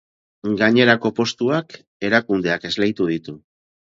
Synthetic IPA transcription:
ɡaɲe̞ɾako̞po̞st̪uak | e̞ɾakund̪e̞ake̞zlejt̪uð̞it̪u

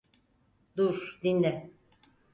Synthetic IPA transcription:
d̪uɾd̪ind̪ɛ

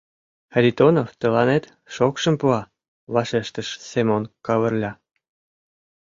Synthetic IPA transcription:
xɾʲit̪onoft̪ə̆lɑnet̪ | ʃokʃə̆mpuɑ | βɑʃeʃt̪ə̆ʃsemonkɑβə̆rlʲɑ

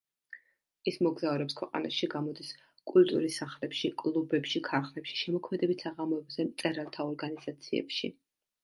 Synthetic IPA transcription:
ismɔɡzauɾɛpskʰwɛqʼa̰na̰ʃiɡamɔd̪is | kʼult̪ʼṵɾisaχlɛpʃikʼlˠubɛpʃikʰaɾχlɛpʃi̥ʃɛmɔkʰmɛd̪ɛbit̪saʁamɔɛbzɛmt̪sʼɛɾalˠt̪ʰaɔɾɡanizat̪sʰiɛ̰pʃḭ

